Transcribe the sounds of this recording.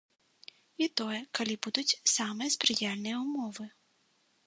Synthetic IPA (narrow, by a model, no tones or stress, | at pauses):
it̪ɔjɛkalʲibud̪ut͡sʲsamɨjɐspɾɨjalʲnɨjɛumɔvɨ